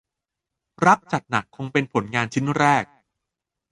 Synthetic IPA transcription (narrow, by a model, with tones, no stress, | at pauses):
ɾa˦˥k̚t͡ɕa˨˩t̪̚na˨˩kʰːo˧ŋpe˧npʰo˩˦nŋaː˧nt͡ɕʰi˦˥nɾɛː˥˩k̚